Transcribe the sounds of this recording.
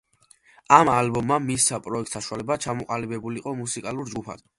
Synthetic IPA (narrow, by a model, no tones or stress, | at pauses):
amalbɔmːamisːapʼɾɔɛk̚t̪ʰsaʃualɛbat͡ʃʰamɔqʼalibɛbuliqʼɔmusikʼalˠuɾd͡ʒɡupʰa̰d̪